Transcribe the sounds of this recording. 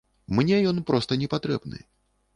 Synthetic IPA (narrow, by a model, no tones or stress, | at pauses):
mnʲɛjɔnpɾɔst̪ɐnʲɛpat̪ɾɛ̰bnɨ̰